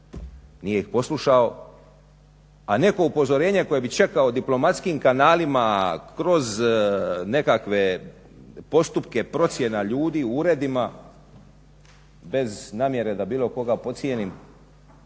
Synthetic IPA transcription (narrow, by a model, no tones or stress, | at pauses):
nije̞ixpo̞sluʃao̞ | ane̞ko̞upo̞zo̞ɾe̞ːɲe̞ko̞je̞bit͡ʃe̞kaod̪iplo̞mat̪skimkanaːlimakɾo̞z | ne̞kakʋe̞ | po̞st̪upke̞pɾo̞t̪sje̞naʎuːd̪iuɾe̞d̪ima | be̞znaːmje̞ɾe̞d̪abiːlo̞ko̞ɡapo̞t̪sje̞nim